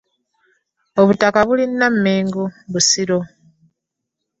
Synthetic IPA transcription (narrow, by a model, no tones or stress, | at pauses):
oβutakaβulinːamːeːŋɡoβusiɾo